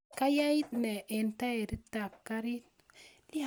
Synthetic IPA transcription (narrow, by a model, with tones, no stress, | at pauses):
ka˦ja˦i˦tne˨ʔe˨nta˦e˨ɾi˦tːa˨kːa˦ɾi˦t̚ | li˦